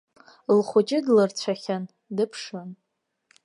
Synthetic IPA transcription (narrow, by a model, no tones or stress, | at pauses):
lχʷʊt͡ʃʼɪdlɨrt͡ɕʷʰaχʲan | dɨpʰʂɨn